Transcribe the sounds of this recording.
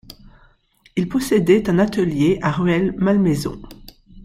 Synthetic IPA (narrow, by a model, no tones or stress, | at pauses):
ilpɔsed̪ɛt̪ɛ̃nat̪əljeʔaʁyɛlmalmezɔ̰̃